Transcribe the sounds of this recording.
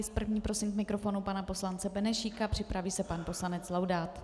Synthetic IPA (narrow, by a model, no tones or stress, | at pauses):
ɪspr̩vɲiːpɾo̞sɪmkmɪkɾo̞fo̞nupanapo̞slant͡sɛbɛnɛʃiːkapr̥ɪpɾaviːsɛpanpo̞slanɛt͡slawdaːt̪